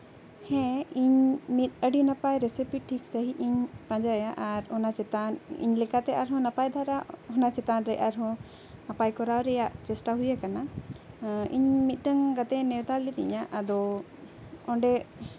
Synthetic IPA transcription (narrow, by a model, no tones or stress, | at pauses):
hɛ̃iɲmit̪̚ˀəɖinapajɾesipiʈʰiksəɦiʔiɲpãɲd͡ʒajaʔaɾɔnat͡ʃɛt̪anḭɲlɛkat̪ɛʔaɾɦɔ̃napajd̪ʱaɾaʔɔnat͡ʃɛt̪anɾɛjʔaɾɦɔ̃ | napajkɔɾawɾɛjaʔt͡ʃɛsʈaɦujakana | ḭɲmit̪̚ˀɖəŋɡat̪ɛnɛwt̪alit̪ḭɲaʔad̪ɔ | ɔɳɖɛ